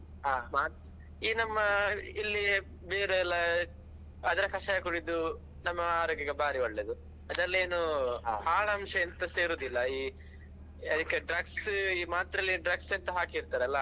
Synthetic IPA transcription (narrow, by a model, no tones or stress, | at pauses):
ɦamaːt̪ | iːnɐmːɐilːi | beːɾuɛlːɐ | ɐd̪ɐɾɐkɐʂɐjɐkuɽid̪u | nɐmːɐaːɾoːɡjɐɡebaːɾioɭːed̪u | ɐd̪ɐlːieːnuaːɭɐːmʂɐɐnt̪ɐseːɾoːd̪ilːɐiː | ɐd̪ikːeɖɾɐɡsiːmaːt̪ɾɐlːiɖɾɐɡsent̪ɐɦaːkiːɾt̪aːɾeɐlːɐ